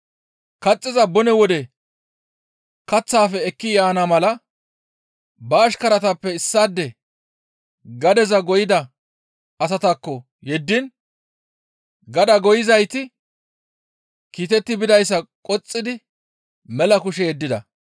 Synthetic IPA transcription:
kɐt͡sʼːɪzɐbɔnɛwɔd̪ɛ | kɐt͡sːaːfɛɛkːɪjaːnamɐlɐ | bɐːʃkɐɾɐt̪ɐpːɛɪsːaːd̪ːɛ | ɡɐd̪ɛzɐɡɔjɪd̪ɐ | ɐs̬ɐt̪ɐkːɔ | jɛd̪ːɪn | ɡɐd̪ɐɡɔjɪzɐjt̪ɪ | kiːt̪ɛt̪ːɪbɪd̪ɐjsːɐkʼɔt͡sʼːɪd̪ɪ | mɛlɐkʊʃɛjɛd̪ːɪd̪ɐ̰

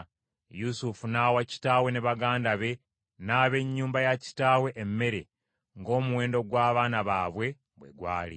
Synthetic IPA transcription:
jusufunaːwaci̥taːwe̞neβaɡaːndaβe̞ | naːβe̞ɲːuːmbajaci̥taːwe̞ʔemːe̞ɾe | ŋɡo̞ːmuwe̞ːndo̞ɡwaːβaːnaβaːβwe̞ | βwe̞̰ɡwa̰ːlḭ

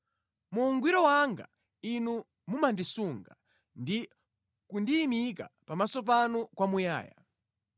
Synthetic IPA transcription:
muːŋɡwiɾɔwaŋɡa̰ | inu | mumandisuŋɡa | ndi | kundiːmika̰pamasɔp̬anukwamuja̰ːja̰

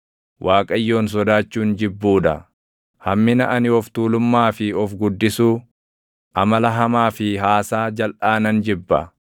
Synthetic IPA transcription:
wʔaːkʼɐjːo̞ːns̬ɔd̪aːt͡ʃːuːnd͡ʒɪbːuːᶑɐ | hɐmːɪnɐʔɐnɪɔft̪uːlʊmːaːfɪɔfɡʊd̪ːɪsuː | ʔɐmɐlɐɦɐmaːfɪɦaːsaːd͡ʒɐlʔaːnɐnd͡ʒɪbːɐ̰

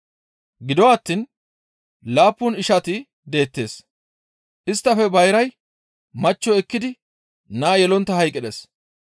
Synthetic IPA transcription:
ɡɪd̪ɔwaːt̪ːin | laːpːʊnɪʃɐt̪ɪ | d̪e̞ːt̪ːe̞̰ːs | ʔɪst̪ːɐfɛbɐjɾɐj | mɐt͡ʃːɔɛkːɪd̪ɪ | naːjɛlɔnt̪ːɐhɐjkʼɪɗes

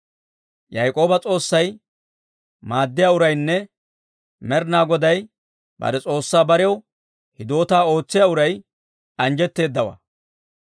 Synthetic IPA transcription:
jɐjkʼo̞ːbɐt͡sʼo̞ːsːɐj | maːd̪ːɪjaːʊɾɐjnːɛ | mɛɾnaːɡɔd̪ɐj | bɐ̰d̪ɛt͡sʼo̞ːsːaːbɐɾɛw | hɪd̪o̞ːt̪aːo̞ːt͡sːɪjaʊɾɐj | ɐnd͡ʒɛt̪ːe̞ːd̪ːɐwɐ̰

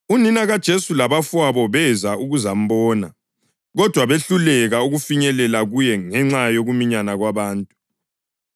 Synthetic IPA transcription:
uninaɣad̥ʒ̥ʱesulaβafwaβɔβɛzauɣuzam̩bɔːna | ɣɔd̥ʱwaβeɬulɛɣauɣufiɲɛlɛlaɣujɛŋɛŋ͡ǁajoɣumiɲanaɣwaβaːntʼu̥

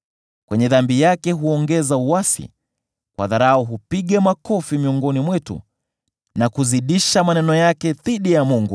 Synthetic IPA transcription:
kwɛɲɛðambijakɛɦuɔŋɡɛzauwasḭ | kwa̰ðaɾaɔɦupiɠamakɔfimiɔŋɡɔnimwɛtṵ | nakuziɗiʃamanɛnɔjakɛðiɗijamuŋɡu

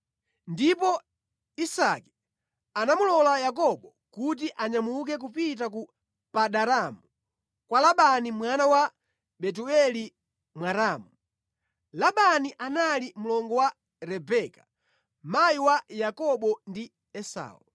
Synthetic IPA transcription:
ndipɔ | isaki̥ | anamulɔlajakɔɓɔ | kut̬iʔaɲamuk̬ɛk̬upit̬aku | paɗaɾamu | kwalaɓanimwanawa | ɓɛt̬uɛli | mwaɾaːmu | laɓaniʔanalimulɔŋɡɔwa | ɾɛbɛkḁ | majiwajakɔɓɔndi | ɛsa̰ːṵ

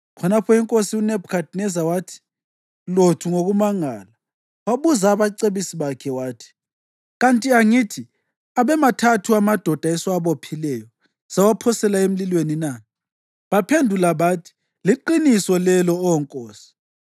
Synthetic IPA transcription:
kʰɔnapʰɔiŋkʼosiunɛbkʰadnɛzawatʰi̥ | lotʰuŋoɣumaŋa̰la | waβuzaːβaǀeβisiβakʰɛwaːtʰi̥ | ɣantʼiaŋitʰi | aβɛmatʰatʰuamad̥ʱɔd̥ʱaɛswaβopʰilɛjɔ | z̥awapʰɔsɛlaem̩lilwenina | βapʰendʱulaβaːtʰi̥ | liǃinisɔlɛlɔːwɔŋkʼoːsi̥

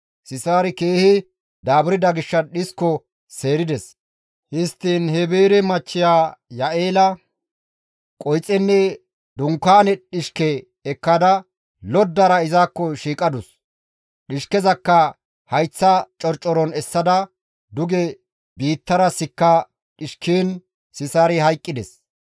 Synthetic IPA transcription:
sɪsaːɾɪkeːhɪ | d̪aːbɪɾɪd̪ɐɡɪʃːɐɗɪskːɔ | se̞ːɾɪd̪ɛs | hɪst̪ːiːnhɛbeːɾɛmɐt͡ʃːɪjaːjɐʔeːlɐ | kʼɔjt͡sʼːɛnːɛ | d̪ʊŋkːaːnɛɗɪʃkɛː | kːɐd̪ɐ | lɔd̪ːɐɾɐɪzaːkːɔʃiːkʼɐd̪ʊs | ɗɪʃkɛzɐkːɐ | hɐjt͡sːɐt͡ʃʼɔɾt͡ʃʼɔɾɔnɛsːɐd̪ɐ | d̪ʊɡɛ | biːt̪ːɐɾɐsɪkːɐ | ɗɪʃkiːn | sɪsaːɾɪhɐjkʼːɪd̪ɛs

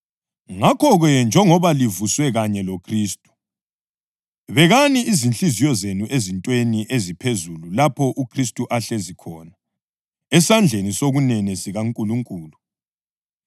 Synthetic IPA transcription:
ŋakʰɔɣɛnd͡ʒʱɛŋɔβalivuswɛɣaɲɛlokʰriːstʼu̥ | βɛɣaniʔːzint͡ɬʼizijɔzenuʔezintʼweniʔezipʰezululapʰɔʔukʰris̬tʼuʔaɬɛzikʰɔːna | ɛsand͡ɮʱenisoɣunɛnɛsiɣaŋkʼuluŋkʼuːlu

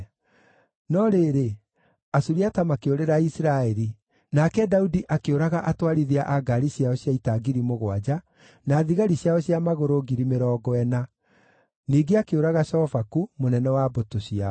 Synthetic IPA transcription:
nɔɾeɾe | asuɾiatamakeoɾeɾaisiɾaɛɾi | nakɛdaudiʔakeoɾaɣaʔatwaɾiðiaʔaɡaɾiɕjaɔɕjaitaɡiɾimoɣwad͡ʑa | naːðiɣaɾiɕjaɔɕjamaɣoɾoɣiɾimeɾɔːɡɔɛna | niːɡeakeoɾaɣaʃɔɔvakumonɛnɛwabotoɕia

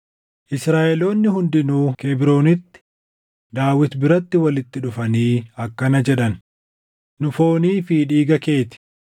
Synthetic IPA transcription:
ʔɪsɾaːʔɛlo̞ːnːɪɦʊnd̪ɪnuːkebɪɾo̞ːnɪt̪ːɪ̥ | d̪aːwɪt̪bɪɾɐt̪ːɪwɐlɪt̪ːɪᶑʊfɐniːɐkːɐnɐd͡ʒɛᶑɐn | nʊfo̞ːniːfiːᶑiːɡɐke̞ːt̪ɪ̥

